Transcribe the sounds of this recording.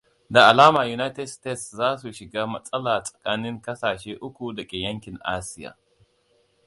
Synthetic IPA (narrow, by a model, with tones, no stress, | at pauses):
da˨ʔa˨laː˦maː˨ju˨na˦jtɛ˨dsteː˦˨tszaː˦su˨ʃɪ˨ɡaː˦mɐ˦sʼɐ˦laː˨sʼɐ̥˨kaː˦nɪ˦ŋkɐ˦saː˨ʃeː˦ʔʊ˦kʷu˨dɐ˨kʲʼeː˨jɐ˦ŋkʲɪ˨nʔa̰ː˦sɪ˦ja̰ː˨